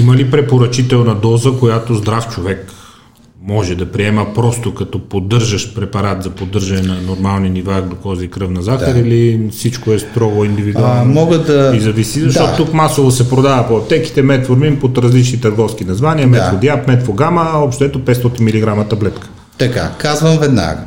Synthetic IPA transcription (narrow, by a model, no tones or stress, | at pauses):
iməlipɾɛpoɾɐt͡ʃit̪ɛlˠnɐd̪ɔzəkojat̪ozd̪ɾaft͡ʃovɛk | mɔʒɛd̪ɐpɾiɛməpɾɔst̪okɐt̪ɔpod̪ɤɾʒəʃpɾɛpɐɾat̪zɐpod̪ɤɾʒɐnɛnɐnoɾmalˠninivaɡlokɔziikɾɤfnɐzaxɐɾilifsit͡ʃkoɛst̪ɾɔɡoind̪ivid̪uammɔɡəd̪ɐizɐvisizɐʃt̪ɔt̪t̪ukmasovosɛpɾod̪avəpoɛpt̪ɛki̥t̪ɛmɛt̪foɾmimpot̪ɾɐzlit͡ʃnit̪ɐɾɡɔfsk̟inɐzvaniɐmɛfod̪japmɛt̪foɡaməɔpʃt̪oɛt̪opɛt̪st̪ɔt̪inmiliɡɾamət̪ɐblɛt̪kə̥ | t̪ɐka̰kazvɐmvɛd̪na̰ɡə